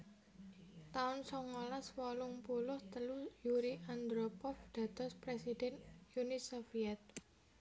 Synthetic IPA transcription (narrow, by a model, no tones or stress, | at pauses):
t̪aʊnsɔŋɔlaswɔlʊŋpulʊht̪əlujuɾiʔand̪ɾopɔfd̪̥ä̤t̪ɔspɾesidɛnjunisofiɛt̪̚